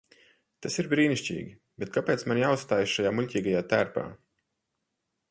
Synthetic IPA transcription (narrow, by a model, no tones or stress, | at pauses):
t̪asiɾbɾiːniʃʲt͡ʃʲḭːɡʲi | bet̪̚kapʲeːt̪smanjaːust̪aːjsʃajaːmuʎʲcʲiːɡajaːt̪æːɾpa̰ː